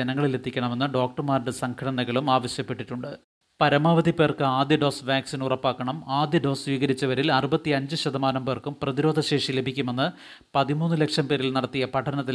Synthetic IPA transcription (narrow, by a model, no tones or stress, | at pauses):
enɐŋːɐɭile̞t̪ʰːikʲːɐɳɐme̞nːɨɖo̞ːk̚ʈɐrmaːɾɖɨsɐŋkʰɐɽɐnɐɣɐɭumaːʋɐɕjɐpːe̞ʈːiʈːuɳɖɨ | pɐɾɐmaːʋɐd̪ʱipːe̞ːrkɨaːd̪jɐɖo̞ːsʋjaːksinurɐpːaːkːɐɳɐmaːd̪jɐɖo̞ːsʋiːɣɐɾit͡ɕːɐʋɐɾilɐrubɐt̪ːiɐɲd͡ʑɨɕɐd̪ʱɐmaːnɐmbeːrkumprɐðiɾo̞ːd̪ʱɐɕe̞ːʂile̞bʱikʲːume̞nːɨ | pɐðimuːnːɨlekʂɐmpe̞ːɾilnɐɽɐt̪ːijɐpɐʈʰɐnɐt̪̬ːi